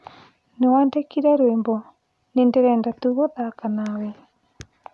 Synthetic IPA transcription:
newaːndekiɾɛɾwembɔ | nendeɾɛːndatuɣoðakanawɛ

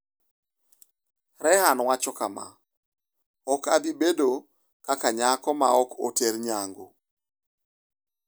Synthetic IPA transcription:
ɾɛhanwat͡ʃɔkama̰ | ɔkabibedo | kakaɲakɔma̰ɔko̰teɾɲaŋɡo

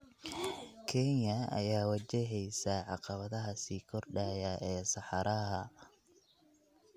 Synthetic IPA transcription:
kʰɛnjɐɐ̰jaːwɐt͡ʃɛɦɛjsɐʕɑqɑβɐðɐɦɐsiːkʰɔrɖaːjɐʔɛːsɑħɑɾɐɦɐ

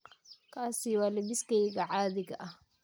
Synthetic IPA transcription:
kʰaːsɪwɑːlɛβɪskʰɛjɣɐʕaːðɪɣɐʔɐh

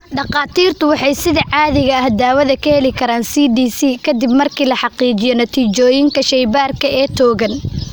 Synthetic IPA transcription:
ɖɑqɑːt̪ʰiːrt̪ʊwɑħɑjsɪðɐʕɑːðɪɣɐːhd̪aːwɐðɐkʰɐhɛlɪkʰɐɾaːnsiːdiːsiːkʰɐd̪ɪbmɐrkʰiːlɐħɑqiːt͡ʃɪjɔnɐt̪ʰiːt͡ʃɔːjɪŋkʰɐʃɛjbaːrkʰɐɛːt̪ʰɔːɣɐn

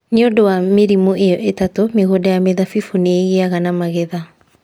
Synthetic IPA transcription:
neodowameɾimoʔejɔʔetatomeɣodajameðafifuneeɣeaɣanamaɣɛða

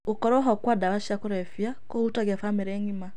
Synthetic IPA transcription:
ukɔɾwɔɦɔkwadaβaʃakuɾɛfjakoutaɣɛfameɾɛŋima

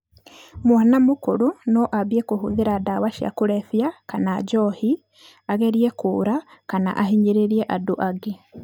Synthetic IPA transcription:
mwanamokoɾonɔʔaβiekohuðeɾadawaʃia̰koɾɛfjakanad͡ʒɔhi | aɣɛɾiɛkoːɾakana̰ʔaɦiɲeɾeɾiɛʔadoʔaɡe

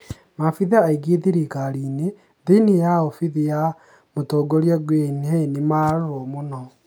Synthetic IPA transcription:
mafiðaaiɡeðiɾikaɾine | ðenijaofiðija | motoːɡoɾiɛɡwenanimaɾomonɔ

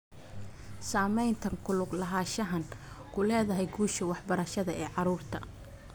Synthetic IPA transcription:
saːmɛjnt̪ʰɐŋkʰʊlʊɡlɐɦaːʃɐɦɐn | kʰʊlɛːðɐɦɛjɡuːʃɐwɑħbɐɾɐʃɐðɐɛːʕɑɾuːrt̪ʰɐ̰

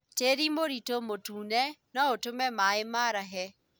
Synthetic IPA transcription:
teɾimoɾitomotuːnɛnɔotomɛmaemaɾaɦɛ

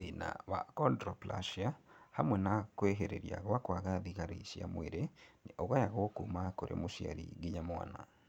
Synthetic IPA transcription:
ina̰βakɔndɾopla̰ʃiahamwɛnakweɦeɾeɾija̰ɣwakwaɣaðiɣaɾiʃja̰mweɾeniʔoɣwajaɣokumakoɾʔḛmoʃja̰ɾḭɡiɲamwa̰na

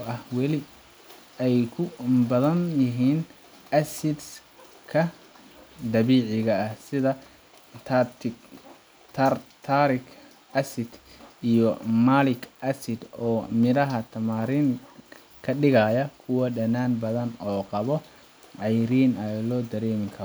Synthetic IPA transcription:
ɐhwɛlɪ | ɛjkʰʊbɐðɐnjɐɦiːn | ɐsɪd̪skʰɐ | d̪ɐβiːʕɪɣɐɐhsɪðɐ | t̪ʰat̪ɪ | t̪ʰɐrt̪ʰaɾɪk | ɐsɪd̪ | ijɔmalɪkʰʔɐsɪd̪ɔːmɪɾɐɦɐt̪ʰɐmaːɾin | kʰɐɖɪɣajɐkʰʊwɐɖɐnaːnbɐðɐnɔːqɑβɔ | ʕɑjɾiːnɐlɔːd̪ɐɾɛːmɪkʰɐɾɔ

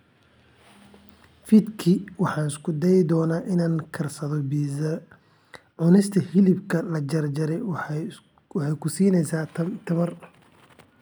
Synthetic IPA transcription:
fid̪kʰiwɑħɑːnɪskʰʊd̪ɛjɪd̪ɔːnaːʔɪnaːŋkʰɐrsɐðɔbiːsɐ | ʕʊnɪst̪ʰɐhɪlɪbkʰɐlɐd͡ʒɐrd͡ʒɐɾɛj | wɑħɑjkʰʊsiːnɛjsaːt̪ʰɐmɐr

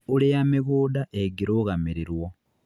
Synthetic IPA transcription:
ulejamiβuːdaʔeɡiɾoɣamiɾiɾwo

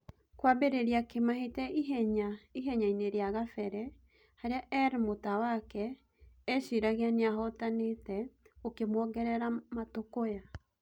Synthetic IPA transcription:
kwabeɾeɾjakemaɦetɛiɛɲaiɦɛɲaineɾeaɣafɛɾɛ | haɾeaʔɛɾmotawakɛː | ʃiɾaɣeaneaɦɔtanetɛokemwɔɣɛɾɛɾamatokoja

